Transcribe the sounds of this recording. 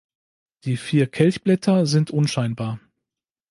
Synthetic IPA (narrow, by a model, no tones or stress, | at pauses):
d̥iːfiːɐkʰɛlçb̥lɛtʰɐzɪntʔʊnʃaɪnbaːɐ